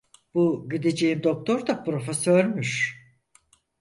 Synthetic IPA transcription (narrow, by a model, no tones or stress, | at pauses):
b̥uɟid̪ed͡ʒejimd̪o̞k̚t̪ʰo̞ɾd̪apɾo̞fesøɾmyʃ